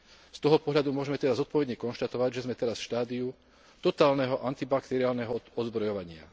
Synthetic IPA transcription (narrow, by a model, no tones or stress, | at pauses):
st̪ɔɦɔpɔɦʎad̪umʊɔʒɛmɛt̪ɛd̪azɔt̪̚pɔʋɛd̪ɲɛkɔnʃt̪at̪ɔʋaɟʒɛzmɛt̪ɛɾasfʃt̪aːd̪iu | t̪ɔt̪aːlnɛɦɔʔant̪ibakt̪ɛɾiaːlnɛɦɔɔd̪zbɾɔjɔʋaɲɪa̰